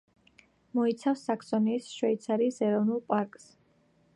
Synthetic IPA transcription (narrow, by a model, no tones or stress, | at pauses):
mɔit̪sʰafsːakʰsɔniːsʃwɛjt̪sʰaɾisɛɾɔvnulˠpʼaɾkʼs